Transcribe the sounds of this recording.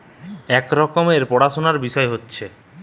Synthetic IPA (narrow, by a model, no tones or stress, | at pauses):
ɛkɾɔkomeɾpɔɽaʃonaɾbiʃɔeɦotːɕʰe